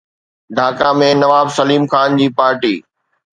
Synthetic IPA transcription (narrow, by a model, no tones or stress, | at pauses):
ɖʱaːkamẽnɐʋaːbsɐliːmxaːnd͡ʑiːpaːɾʈiː